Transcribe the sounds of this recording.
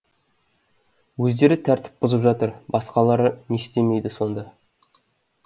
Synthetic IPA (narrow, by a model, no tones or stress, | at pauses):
wɵzd̪e̞ɾɪt̪ʰæɾt̪ɪ̥p̚bʊzəpʒɑt̪əɾbɑsqɑlˠɑɾənest̪e̞me̞jd̪ɪso̞nd̪ɑ